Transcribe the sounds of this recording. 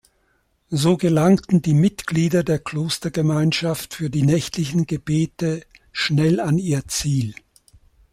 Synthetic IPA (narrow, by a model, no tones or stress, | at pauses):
zoːɡəlaŋtn̩diːmɪtɡ̥liːdɐdeːɐkʰl̥oːstɐɡəmaɪnʃaftfyːɐdiːnɛçtlɪçn̩ɡəbeːtəʃnɛlaniːɐt͡siːl